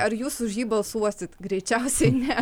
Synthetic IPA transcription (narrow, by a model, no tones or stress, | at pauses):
ɐɾjuːsʊʃjiːbɐlˠsuɔsʲɪt̪ɡɾʲɛɪt͡ʃʲɛʊsʲɛɪnʲɛ